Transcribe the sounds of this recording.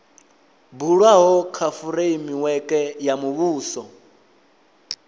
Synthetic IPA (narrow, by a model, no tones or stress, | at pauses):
buɺwaɦɔkʰafuɾeimiwɛkʼɛjamuβuːsɔ